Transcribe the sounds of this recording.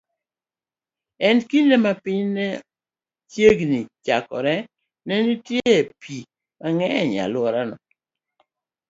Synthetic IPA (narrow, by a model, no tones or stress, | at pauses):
ɛnkinemapɪɲnɛ | t͡ʃjeɡnit͡ʃakɔ̰ɾɛ | nɛnitjepʰi | maŋɛɲa̰lwɔɾanɔ̰